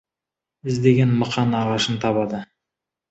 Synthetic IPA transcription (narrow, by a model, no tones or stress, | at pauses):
ɪzd̪e̞ɡʲe̞nməqɑnɑʁɑʃənt̪ʰɑbɑd̪ə